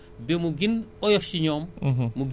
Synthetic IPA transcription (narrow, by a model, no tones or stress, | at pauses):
bɛmuɡinɔjɐfciɲɔːmːuɡ